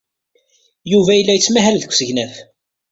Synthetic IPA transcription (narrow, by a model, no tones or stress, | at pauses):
juvæjəlːæjət͡sːmæɦælðəkʷːsəʝnæθ